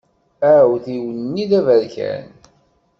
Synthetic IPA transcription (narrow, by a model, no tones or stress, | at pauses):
æwθiwənnːiðævəɾçæ̰n